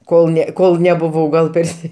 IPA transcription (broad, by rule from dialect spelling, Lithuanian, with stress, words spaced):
ˈkoːlˠ nʲɛ ˈkoːlˠ nʲɛbʊˈʋɐʊ ɡɐlˠ ˈpʲɛrʲsʲɪ